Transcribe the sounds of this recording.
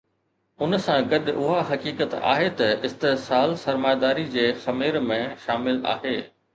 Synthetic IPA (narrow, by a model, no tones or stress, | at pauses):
ʊnsãɡɐɗʔʊɦaɦɐkiːkət̪a̰ːɦet̪ɐɪst̪esaːlsɐɾmaːjd̪aːɾid͡ʑeːxɐmeːɾmẽʃaːmɪla̰ːɦeː